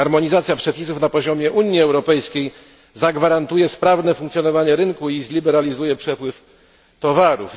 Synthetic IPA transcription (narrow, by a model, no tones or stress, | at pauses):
aɾmɔɲizat̪sjapʂɛpʲis̬ufnapɔʑɔmʲjɛʔuɲːiɛwɾɔpɛjskʲej | zaɡvaɾant̪ujɛspɾavnɛfuŋkt̪sjɔnɔvaɲɛɾɘŋkuizlʲibɛɾalʲizujɛpʂɛpwɘf | t̪ɔvaɾṵf